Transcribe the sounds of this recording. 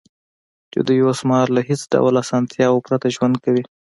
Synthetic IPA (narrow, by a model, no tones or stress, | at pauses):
t͡ʃḛd̪əjwasmɑɾlaɦet͡sɖa̰wlasɑnt̪ʰjɑwopɾat̪aʒwand̪̚kawi